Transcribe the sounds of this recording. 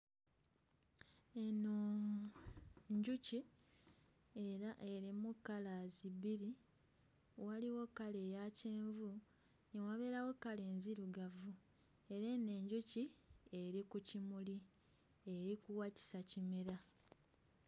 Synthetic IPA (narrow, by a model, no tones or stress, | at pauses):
eno | ɲɟuci | eɾaʔe̞ɾimukːalaziβiɾi | waliwo̞kalejaceːɱvu | niwaβe̞ːɾawo̞kale̞ːnziɾuɡavu | e̞ɾene̞ːɲɟucie̞ɾikucimuli | e̞ɾikuwaci̥sacimeɾa